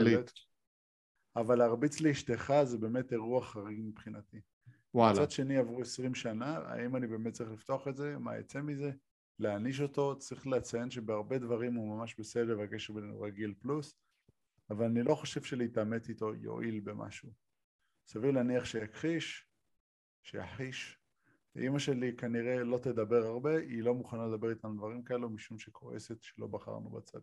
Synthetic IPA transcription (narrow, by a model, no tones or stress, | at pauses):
lit | avalaːʁbit͡sleiʃteχazebe̞ːme̞teʁuaχaʁiɡmipχinati | walt͡sadʃe̞niavʁuesʁimʃanaa̰ʔimanibe̞ːmet̚t͡sʁiχlift̪oaχe̞tze̞ma̰jḛt͡se̞mize̞ | leaniʃ̬o̞to̞t͡sʁiχleat͡sajenʃe̞beaʁbe̞dvaʁimhumamaʃbe̞sedlevakeʃeʁbenenṵʁaɡilplus | avalanilo̞χo̞ʃe̞v̥ʃeleitame̞tito̞jo̰ʔilbe̞mʔa̰ʃu | savivlaniaχʃe̞jakʁiʃ | ʃeja̰ħiʃ | a̰ʔimaʃe̞likaniʁe̞lo̞t̪e̞d̪abe̞ʁaʁbe̞ʔilo̞muχanaled̪abe̞ʁit̪anud̪vaʁimkae̞lumiʃumʃekʰo̞ḛsetʃelo̞̰baχa̰ʁnṵba̰t͡sa̰d̪̥